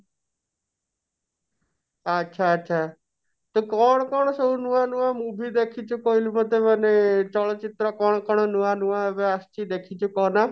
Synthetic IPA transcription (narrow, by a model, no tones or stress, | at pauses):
ətːʃʰaətːʃʰaː | t̪okɔːɳ̃kɔɳ̃səunuãːnuãːmũːbʱid̪eːkʰit͡ʃʊkoːɪlmət̪emənet͡ʃɔɭt͡ʃɪt̪ɾəkɔːɳkɔɳ̃onuãːnuãʋeəst͡ʃiːd̪eːkʰit͡ʃukoːnaː